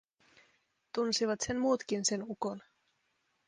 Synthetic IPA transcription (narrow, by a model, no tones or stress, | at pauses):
t̪unsiʋɑt̪se̞nmuːt̪kinse̞nuko̞n